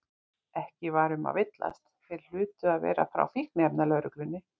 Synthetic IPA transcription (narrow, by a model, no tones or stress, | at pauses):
ɛhcɪvaːɾʏma̰vɪt̪la̰st̪t̪ɪll̥ʏːt̪ʏaðvɛ̰ːɾa̰fɾa̰wfihknɪɛpnalœːɾʏklʏnːɪ